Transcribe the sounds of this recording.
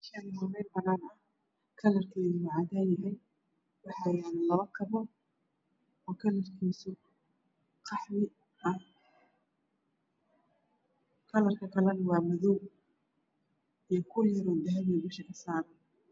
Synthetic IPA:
ʃanɪsɐmɛjbɐnaːnɐ | kʰɐlɐrkʰɛːðʊʕɑːd̪aːnjɐɦɛj | wɑħɑjaːnlɐβɐkʰɐβɔ | ɔːkʰɐlɐrkʰiːsʊ | qʰɑħmɪ | ʔɐ | kʰɐlɐrkʰɐkʰɐlɐnɐwɑːmɐðɔw | ijɞkʰʊjɐɾɔːd̪ɐɦɐβibɪʃɐkʰɐsaːɾɐ

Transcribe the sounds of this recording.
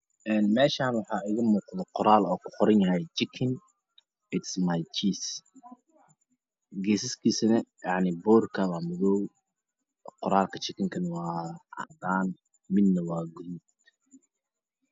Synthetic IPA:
ʔɛːnmɛːʃaːnwɑħɑːʔɪɣɐmuːqðɛqʊɾaːlɔːkʰʊ̥qʊɾɐnjɐɦɛjt͡ʃɪkʰɪn | ɪt̪smajt͡ʃiːs | ɡɛːsɪskʰiːsɐnɐjɑʕnɪbɔːrkʰɐwaːmʊðɔw | qʊɾaːlkʰɐt͡ʃɪkʰɪŋkʰɐnwɑːɑ̰ʕd̪aːn | mɪd̪nɐwɑːɡʊðuːd̪

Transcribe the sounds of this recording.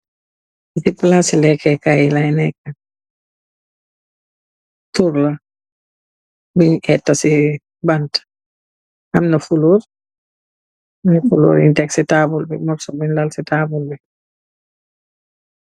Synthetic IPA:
isipːlasilɛkːɛkajilɐjnɛkːɐ | tuɾlɐ | biɲɛtːɐsi | bɐnt | ʔɐmnɐfulur | fulṵːɾḭntɛksitaːbulbimɐpsɔbinlɐlsitaːbulbi

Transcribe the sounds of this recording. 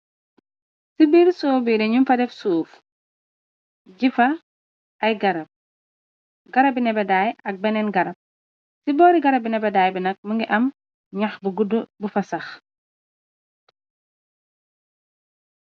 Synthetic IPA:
sibiɾsɔːbiɾɛɲumfɐdɛfsuːf | ɟifɐ | ɐjɡɐɾɐp̚ | ɡɐɾɐbinɛbɛdaːjɐk̚bɛnɛnɡɐɾɐp̚ | sibɔːɾiɡɐɾɐbinɛbɛdaːjbinɐk̚məŋɡiʔɐm | ɲɐxbuɡudubufɐsɐx

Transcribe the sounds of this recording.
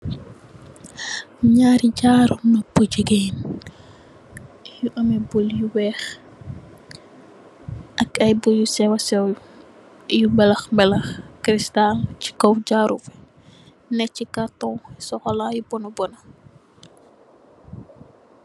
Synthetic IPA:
ɲaːɾiɟaɾunɔpːuɟəɡen | juʔɐmɛbuljuwɛːx | ʔɐkɐjbujusɛwasɛw | jumbɛlɐxmbɛlɐxkɾistalci̥kɔwɟaːɾufɛ | nɛcikatɔ̃wsɔxɔlajubɔnɐbɔna

